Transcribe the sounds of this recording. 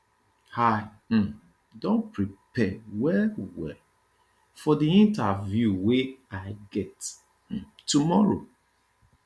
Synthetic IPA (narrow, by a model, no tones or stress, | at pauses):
haɪ | m̩ | dõnpɹipɛwɛwɛ̰ | fɔdiĩntavjuweaɪɡɛt̩ | tːumɔɹo̰